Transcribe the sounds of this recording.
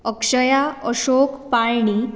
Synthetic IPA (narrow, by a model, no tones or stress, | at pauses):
əkʂəjaəɕokpaɭɳi